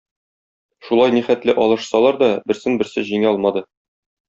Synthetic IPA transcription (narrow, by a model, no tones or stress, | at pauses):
ʃulˠɑjniχæt̪lɘʔɒlˠɤ̆ʃsɑlˠɑɾd̪ɒbɘ̆ɾsɘnbɘ̆ɾsɘʑiŋæɒlˠmɑd̪ɤ